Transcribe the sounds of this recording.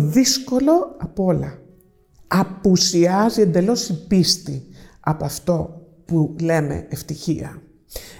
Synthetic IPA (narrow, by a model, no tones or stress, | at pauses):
ðisko̞lo̞ɐpo̞lɐ | ɐpusiɐziend̪e̞lo̞sipist̪i | ɐpoɐft̪o̞ | pule̞me̞̰eft̪içiɐ̰